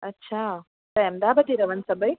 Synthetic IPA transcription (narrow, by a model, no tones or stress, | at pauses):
ɐtːɕʰa | t̪ɐjɐmd̪aːbɐʈ̪iɾɐʋɐnsɐbɐj